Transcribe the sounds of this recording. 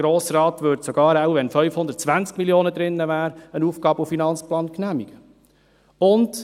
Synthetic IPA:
ɾoːsrɑːt̪ʋɵɾtsɔɡɑːɾawvɛnfœʏfhʊndət̚t͡sʋænt͡skmiljoːnəd̪ɾɪnːəvæːɾənuːfɡ̥ɑːbufinɑnt͡splɑːnknæmiɡ̥ə | ʊnd

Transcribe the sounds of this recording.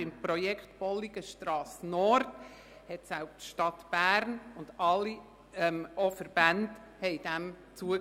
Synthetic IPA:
ɪmpɾɔjɛkχtb̥ɔlːiɡəʃtɾɑːsnɔɾt | hɛtsælptʃtɑtb̥æːɾnʊnd̥ɑlːi | ɛmʔɔfəɾb̥ænd | hɛɪd̥æm | t͡suə

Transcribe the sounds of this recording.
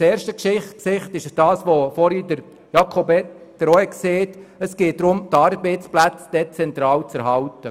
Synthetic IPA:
t͡seːɾʃtəkʃɪksɪχtɪʃd̥ɑːsʋoːfɔɾidəɾ | jɑkʰobed̥əɾɔɛkseːtəsɡ̥eːt̚dɾʊmt̪ɑɾbɛɪt͡splæt͡sd̥ɛt͡sɛnt̪ɾɑːwt͡sæɾɦɑwtə

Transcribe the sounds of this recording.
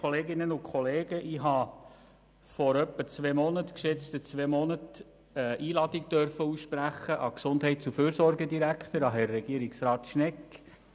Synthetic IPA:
oleːɡɪnənʊkχɔleːɡəʔɪɦɑ | fɔɾœpːət͡sʋeːmɔnətkʃɛt͡st̪ət͡sʋemɔnət | ɛʔiːlɑdik̚d̥œrfəusʃpɾæχːəʔɑksʊndɦɛɪtsuføːɾsɔɾɡədiɾækʰt̪əɾɑɦɛɾːɛɡ̥iəɾɪksɾɑːt̪ʃnɛkː

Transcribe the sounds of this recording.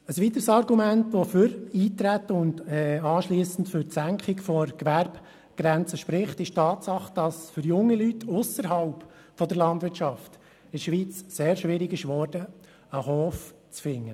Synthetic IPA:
əsʋit̪əɾsɑɾɡumæntʋɔfʏɾiːt̪ɾæt̪ːəʊndɛɑːʃliːsən̩tfʏɾtsæŋkχɪkfɔɾkʋæɾb | ɡ̥ɾɛnt͡səʃpɾɪχtɪʃtɑːtsɑχd̥ɑsfʏɾjʊŋːilytːʰʊsəɾɦɑlp | fɔd̪əɾlɑndvʋɪɾt͡ʃɑft | ɪʃʋiːt͡sseːɾʃʋɪɾɪɡɪʃʋɔɾdə | əɦɔːf | t͡sfɪŋːə

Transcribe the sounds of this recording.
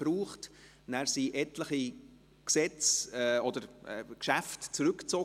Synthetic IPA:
ɾuːχt | næːɾsiʔɛtləχi | ksɛt͡sɛɔd̥əɾɛkʃæftt͡sɾʏkt͡sɔ

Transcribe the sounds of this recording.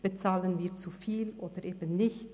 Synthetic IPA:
b̥ət͡saːlənviːɐt͡sufiːlʔoːd̥əʁʔeːbən̩ːɪçt

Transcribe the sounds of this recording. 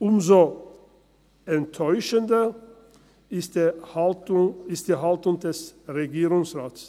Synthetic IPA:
ʔʊmzo | ɛntʰːɔʏʃəndɐ | ɪstd̥eːhaltʊŋɪst̚d̥iːɦaltʊŋdɛsʁeɡiːʁʊŋsʁaːts

